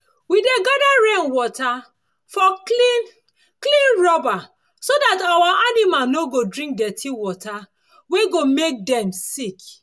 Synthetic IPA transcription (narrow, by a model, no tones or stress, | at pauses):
wideɡadaɹẽnwɔtʰa | fɔlin | klĩnɹɔba | sodatawaʔanimalnoɡodɹĩŋk̚dɛtʰiwɔtʰa | weɡomek̚dɛ̃msik